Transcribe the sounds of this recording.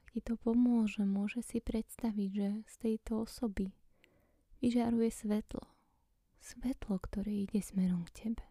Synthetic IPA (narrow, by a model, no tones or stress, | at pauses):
akcit̪ɔpɔmʊɔʒɛmʊɔʒɛsipɾɛt̪st̪aʋiɟʒɛst̪ɛjt̪ɔɔsɔbi | ʋiʒaɾujɛsʋɛt̪lɔ | sʋɛt̪lɔkt̪ɔɾɛːiɟɛsmɛɾɔmkcʰɛbɛ